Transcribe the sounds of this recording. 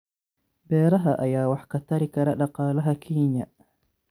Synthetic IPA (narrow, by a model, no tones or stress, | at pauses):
bɛːɾaɦaʔajaːwaħkataɾikaɾaɗaqaːlaɦakʰiːɲa